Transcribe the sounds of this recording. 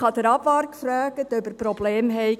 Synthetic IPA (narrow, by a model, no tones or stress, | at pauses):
χɑd̥̪əɾɑbʋɑɾkfɾœːɡətœbəɾprɔbleːmɦɛɪ